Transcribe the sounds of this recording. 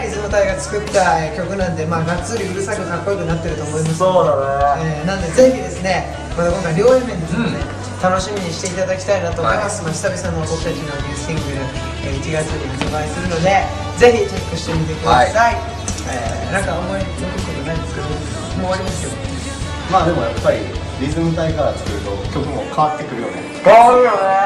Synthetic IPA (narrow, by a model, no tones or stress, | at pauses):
isɨmot̪aiɡat͡sɨ̥kɯ̟t̪ːaeːkʲo̞kɯ̟nãnd̪e̞maːɡat͡sɨɾʲiɯ̟ɾɯ̟sakɯ̟kakːo̞ikɯ̟nat̪ːe̞ɾɯ̟t̪oːmo̞imasoaneːnãnd̪e̞ze̞çid̪e̞sɨne̞ | mat̪akõ̞ŋkaiɾʲo̞ːẽmːẽnd̪e̞sɨnone | t̪ano̞ɕimʲiɲ̟iɕi̥t̪e̞it̪ad̪akʲi̥t̪ainat̪oːoimasɨmaɕʲi̥sabʲisanobo̞kɯ̥t̪at͡ɕinoɾʲĩsʲĩŋɡɯ̟ni | eit͡ɕiɡat͡sɨɾiit̪obaisɨɾɯ̟no̞d̪e̞ | ze̞çit͡ɕot̪ːoɕi̥t̪e̞mʲit̪e̞kɯd̪asai | ḛː | nãŋkaomoi | okimit̪eanaĩnd̪esɨ̥ked̪o | moːaɾʲimasɨjo̞ | maːd̪e̞mo̞̰japːaɾʲḭ | ɾʲizɨmɯ̟t̪aikaɾat͡sɨ̥kɯɾɯ̟t̪o̞̰kʲok̪ːɯmo̰kʰaβat̪ːe̞kɯ̟ɾɯ̟jo̞̰ne | ɯjoe